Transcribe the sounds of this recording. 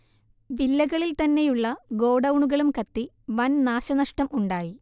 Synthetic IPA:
ʋilːɐɣɐɭilt̪ɐnːe̞juɭːɐɡo̞ːɽɐwɳuɣɐɭumkɐt̪ːi | ʋɐnnaːɕɐnɐʂʈɐmʔuɳɖaːji

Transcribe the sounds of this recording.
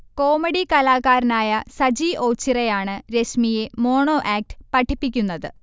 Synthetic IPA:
ko̞ːmɐɽikɐlaːkaːɾɐnaːjɐsɐd͡ʑiʔo̞ːt͡ɕːirejaːɳɨɾe̞smije̞mo̞ːɳo̞ːʔaːk̚ʈɨ̥pɐʈʰːipːikʲːunːɐðɨ

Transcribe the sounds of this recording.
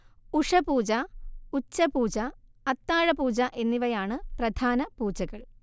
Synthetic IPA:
uʂɐpuːd͡ʑɐut͡ɕːɐpuːd͡ʑɐɐt̪ːaːɻɐpuːd͡ʑɐʔe̞nːiʋɐjaːɳɨprɐd̪ʱaːnɐpuːd͡ʑɐɣɐɭ

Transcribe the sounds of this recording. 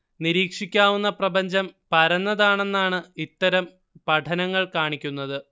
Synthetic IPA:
niɾiːkʂikʲːaːʋunːɐprɐbɐɲd͡ʑɐmpɐɾɐnːɐðaːɳe̞nːaːɳɨit̪ːɐɾɐm | pɐʈʰɐnɐŋːɐɭkaːɳikʲːunːɐðɨ

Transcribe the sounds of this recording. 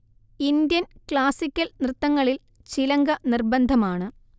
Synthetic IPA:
ind̪jɐnkɭaːsikʲːɐlnrɨt̪ːɐŋːɐɭil | t͡ɕilɐŋɡɐnirbɐnd̪ʱɐmaːɳɨ

